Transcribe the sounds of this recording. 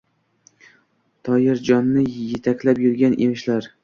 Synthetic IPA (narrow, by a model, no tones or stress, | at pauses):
t̪ʰɒjɪɾd͡ʒɒnːɪjet̪ʰakʲlapjʊɾɡʲanʔemɪʃlaɾ